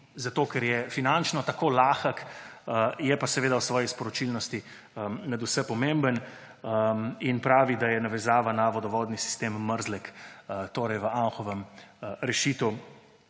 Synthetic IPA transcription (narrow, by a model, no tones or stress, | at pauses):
zat̪oːkɛɾjɛfinant͡ʃnɔt̪akolaːxak | jɛpasɛʋeːd̪awsʋɔːjispɔɾɔt͡ʃilnɔst̪i | nad̪usɛpɔmẽmbən | inpɾaːʋid̪ajɛnaʋɛzaːʋanaʋɔd̪ɔʋɔːd̪nisi̥st̪emːəɾzlɛkt̪oːɾɛjʋəʔanxɔʋəmɾɛʃit̪w